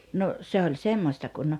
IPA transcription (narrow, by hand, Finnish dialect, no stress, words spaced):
no se olʲ semːosʲtɑ kun